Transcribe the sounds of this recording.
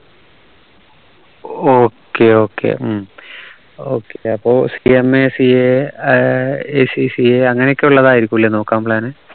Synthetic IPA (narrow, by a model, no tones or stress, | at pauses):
oːkːeo̞ːkːḛm | o̞̰ːkːeɐpːo̞ːsiemesie | eːsisieɐŋːɐnejokʲːeuɭːɐðaːjiɾikʲːumilːeno̞ːkːaːmpɭaːnɨ